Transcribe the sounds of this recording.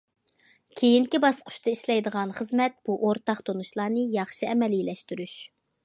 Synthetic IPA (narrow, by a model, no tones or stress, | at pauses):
kʲʰejiŋkʲibɑsqʰʊ̥ʃt̪ɑiʃlɛjd̪əʁɑnχəzmɛt̪̚b̥uʔoɾt̪ɑχt̪ʰonuʃlˠɑːnɨjɑχʃiɛmɛlilɛʃt̪yɾyʃ